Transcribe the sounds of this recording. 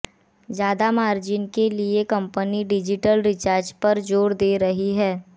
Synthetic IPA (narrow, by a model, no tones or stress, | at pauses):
zjaːd̪amaːɾd͡ʒɪnkeliekɐ̃mpəniɖɪd͡ʒɪʈəlɾɪt͡ʃaːɾd͡ʒpɐɾd͡ʒoːɾd̪eːɾɐɦiɦɛː